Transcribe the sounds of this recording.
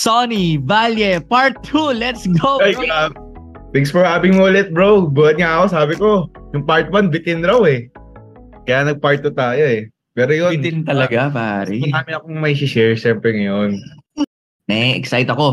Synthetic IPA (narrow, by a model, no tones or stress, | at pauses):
sonivaljɛpaɹt̪ʰːulɛt̪sɡojɡa | t̪ɛŋksfɔɹhaːbɪŋmolɛt̪̚bɹowboɐd̪ŋaɐko̞saːbɪko̞jʊŋpaɹt̪̚wanbɪt̪ɪnɾawɛ | kɐjaːnɐɡ̚paɹt̪ːut̪aːjoɛ | pɛːɾojonɪnt̪ɐlɐɡapa̰ːɾiaːmɪɐkoŋmɐjʃɪʃɛɹʃɛmpɾɛŋɐjon | ɛʔɛksajt̪ɐko̞